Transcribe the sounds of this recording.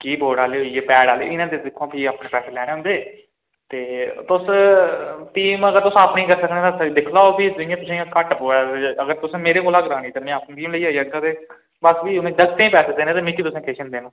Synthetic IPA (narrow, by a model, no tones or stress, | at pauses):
kiːboːɽaːleːɦoieːpɛːɽaːlḛːɪnãːt̪d̪eːd̪ɪkʰːõːpʰiːaːpɳẽːpɛːseːlɛːñẽːɦʊ̃nd̪eː | t̪eːt̪ʊs | ʈiːməɡəɾt̪ʊsaːpnĩːkəɾsəknẽːt̪ãd̪ɪkʰlaːopʰiːd͡ʒʊĩjãːt̪ʊsẽːkəʈəpoːaːəɡəɾt̪ʊsẽːmeːɾeːkoːlaɡɾaːniːt̪eːmɛ̃ːapk̪ĩːləiːɦoːiəaːt̪eː | bəsʋiːʊnẽːd͡ʒəɡt̪ẽːpɛːseːd̪eːnẽːt̪ẽːmĩkːiːt̪ʊsẽːkeːʃənd̪eːnõː